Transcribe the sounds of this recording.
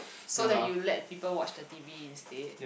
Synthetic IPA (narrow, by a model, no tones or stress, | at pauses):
sodɛ̃tjulɛ̰t̚pipəlwɔt͡ʃdətiviĩnste